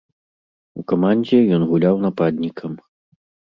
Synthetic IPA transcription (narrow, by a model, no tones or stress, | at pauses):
ukamanʲd͡zʲɛjɔnɣulʲawnɐpad̪ʲnʲikʰɐm